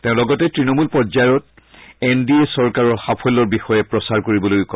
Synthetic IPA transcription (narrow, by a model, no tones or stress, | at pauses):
tɛ̃ʊ̃lɔɡɔtɛtɹinɔmulpɔzaɔt̚ | endiesɔɹkaɹɔɹxapʰɔlɔɹbixɔjɛpɹɔsaɹkoɹibɔlojkɔ